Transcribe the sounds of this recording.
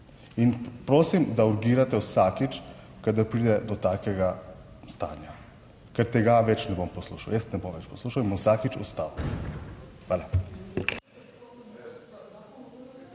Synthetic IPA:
inpɾoːsimd̪auɾɡiːɾat̪ɛwsakit͡ʃ | kad̪aɾpɾiːd̪ɛd̪ɔt̪aːkɛɡa | st̪a̰ːnja | kɛɾt̪ɛɡaʋɛt͡ʃnɛbompɔsluːʃawjɛst̪nɛbomʋɛt͡ʃpɔsluːʃawinbɔwsakit͡ʃɔ̰st̪aːw | xʋaːla

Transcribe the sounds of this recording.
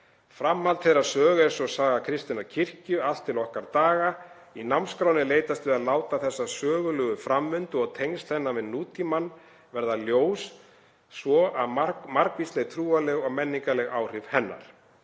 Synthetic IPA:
fɾamhalt̪θejɾaɾsœːɣʏɛɾsɔsaːɣakʰɾɪst̪inaɾcʰɪr̥cʏal̥t̪ʰːɪlɔhkaɾt̪aːɣa | inamnskɾaːwnɪleːjt̪ast̪ʏaðlaːwt̪aθɛsːasœːɣʏlʏɣʏfɾamvʏnt̪ʏɔɣt̪ʰejŋst̪θɛnːamɛðnuːt̪imanː | vɛɾðaljoːwsː | vɔʔaðmamaɾkvistleɣt̪ʰɾuːalɛɣɔɣmɛnːiŋkalɛɣaːwr̥ɪvhɛnːa̰ɾ̥

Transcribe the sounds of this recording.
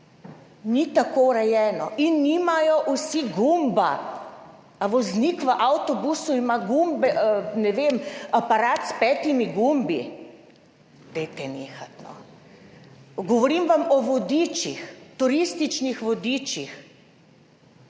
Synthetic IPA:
nit̪akowɾɛjɛːnɔʔinːimajɔʔusiɡumba̰ | ʋɔznikʋəʔawt̪ɔbusuimaɡumbɛənɛʋemapaɾaːt̪spɛːt̪imiɡumbḭ | d̪̥ɛjt̪ɛneːxat̪nɔ̰ | ɡɔʋɔɾimʋamɔʋɔd̪it͡ʃixt̪uɾist̪it͡ʃnixʋɔd̪iːt͡ʃix

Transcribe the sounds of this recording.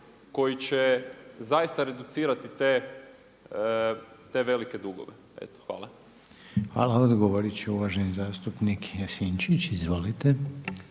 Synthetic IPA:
ko̞jit͡ɕezaist̪aɾe̞d̪ut̪siːɾat̪it̪e | t̪e̞ʋe̞like̞d̪uɡo̰ʋe | ḛt̪o̥xʋa̰ːlˠa | xʋa̰ːlaod̪ɡoʋoɾit͡ʃeuʋaʒenizaːst̪upnikjasint͡ʃit͡ɕizʋo̞lit̪e

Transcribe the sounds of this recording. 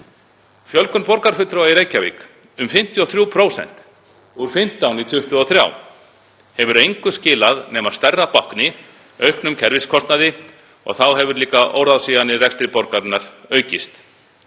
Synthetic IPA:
fjœlkʏnpɔɾkaɾ̥fʏt̪ɾowaiɾeːjcavḭːk | ʏmfɪm̥t̪ʰiɔθɾjuːwpʰɾoːwsɛ̰n̥t̪ | uɾ̥fɪm̥t̪awnit̪ʰʏht̪ʏɔθɾja̰w | hɛvʏɾejŋkʏscɪːlaðnɛːmað̥st̪ɛrːapahknɪ | œɥknʏmcʰɛɾvɪskʰɔst̪naðɪ | ɔ̰ɣθawɦɛvʏɾliːkaʔo̰wɾðawsiːjanːɪrɛkst̪ɾɪpɔɾkat̪naɾ̥œːɥcɪst̪

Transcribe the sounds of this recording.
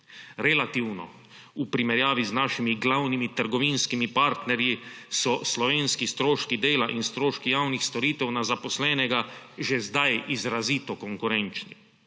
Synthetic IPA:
ɾɛlat̪iwnɔ̰ | upɾimɛɾjaːʋiznaːʃimiɡlawnimit̪əɾɡɔʋinskimipaɾt̪nɛɾjisɔslɔʋeːnskist̪ɾoːʃkid̪eːlaʔinst̪ɾoːʃkijawnixst̪ɔɾiːt̪ɛwnazapɔslɛːnɛɡaʒɛzd̪ajizɾaziːt̪ɔkɔŋkuɾɛnt͡ʃni

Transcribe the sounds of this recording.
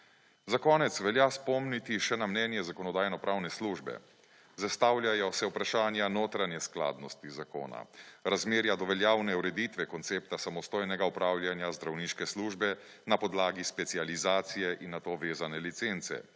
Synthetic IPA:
zakɔːnɛt̪sʋɛlʲjaspɔmnit̪iʃɛnamnɛːnjɛzakɔnɔd̪aːjnɔpɾʔaːwnɛsluːʒbɛ̰ | zast̪aːwlʲjajɔsɛupɾaʃaːnjanoːt̪ɾanjɛskla̰ːd̪nɔst̪izako̰ːna̰ɾazmeːɾjad̪ɔʋɛljaːwnɛuɾɛd̪it̪ʋɛkɔnt̪sep̚t̪asamɔst̪oːjnɛɡaupɾaːwljanjazd̪ɾawniːʃkɛsluːʒbɛ | napɔd̪laːɡispɛt̪sializaːt̪sijɛʔinːat̪oʋeːzanɛlit̪sent̪sɛ̰

